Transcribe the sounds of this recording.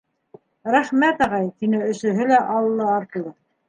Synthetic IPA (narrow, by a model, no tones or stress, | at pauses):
ɾæχmæt̪ɑʁɑjt̪inɘɵ̆sɵ̆ɦɵlæʔɑlˠɤ̆lˠːɑːɾt̪ɤ̆lˠɤ